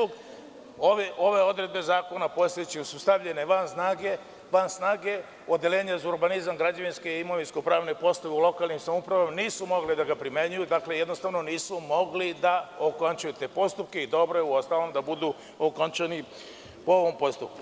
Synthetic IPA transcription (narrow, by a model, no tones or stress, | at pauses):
uɡ | oʋeʔo̞ʋe̞o̞d̪ɾe̞d̪̚be̞zaːko̞napo̞st̪et͡ɕisust̪aʋʎeneʋansnaːɡe̞ | ʋansnaːɡe̞ | od̪elʲeːɲazuɾbanizamɡɾad͡ʑaʋinskeimoʋinskopɾaːʋnepo̞st̪aʋeulˠo̞kaːlˠnimsamoupɾaʋamaniːsumo̞ɡlid̪aɡapɾimeɲujud̪akle̞jed̪nost̪aʋno̞niːsumo̞ɡlid̪aokont͡ʃujut̪e̞ːpo̞st̪up̚ke̞id̪o̞bɾojeuost̪alo̞md̪abud̪u | okont͡ʃani | pooʋompo̞st̪up̚ku̥